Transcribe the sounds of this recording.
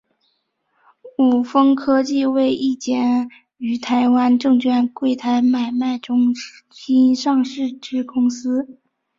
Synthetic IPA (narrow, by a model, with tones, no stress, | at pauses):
u˨˩fɤ˥ŋkʰɤ˥t͡ɕi˥˧we˥˧ɪʔi˥˩t͡ɕjɛ˧˥n | y˧˩t̪ʰa˧˥ɪwa˥nʈ͡ʂɤ˥˧ŋt͡ɕʰɥɛ˥˧nkwe˥˩ɪt̪ʰa˧˥ɪma˨˩ɪma˥˩ɪʈ͡ʂʊ˥ŋ | ɕi˥nʂɑ˥˧ŋʂɻ̩˥˩ʈ͡ʂɻ̩˥kʊ˥ŋsɹ̩˥